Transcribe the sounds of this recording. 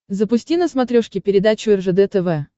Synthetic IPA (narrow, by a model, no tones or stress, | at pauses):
zəpʊsʲtʲinəsmɐt̪ɾʲoʂkʲɪpʲɪɾʲɪd̪at͡ɕʊɛrʐɛd̪ɛt̪ɛvɛ